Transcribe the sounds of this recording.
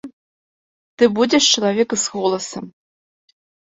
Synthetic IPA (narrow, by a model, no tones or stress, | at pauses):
t̪ɨbudʲeʂt͡ʃilˠavʲekɨsxolˠɐsɐm